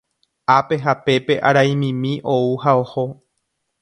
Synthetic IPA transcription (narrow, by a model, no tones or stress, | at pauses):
ape̞ɦape̞pe̞ʔa̰ɾaj̃mĩmĩʔouhaoho